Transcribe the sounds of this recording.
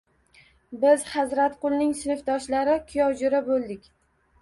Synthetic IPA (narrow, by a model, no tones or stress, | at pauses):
bɪzhazɾat̪qʊlˠnɪŋsɪnɪfd̪ɒʃlaɾɪkʰʊjɒwd͡ʒʊɾabolˠd̪ɪkʲ